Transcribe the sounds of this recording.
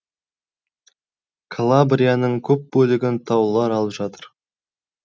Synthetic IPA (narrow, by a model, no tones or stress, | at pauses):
kʰolˠabrʲijanəɴkʲʰɵp̚bɵlɪɡʲɪnt̪ʰɑwlˠɑɾɑlˠəpʒɑt̪əɾ